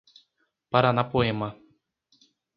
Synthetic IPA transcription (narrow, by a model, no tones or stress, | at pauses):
paɾanapoema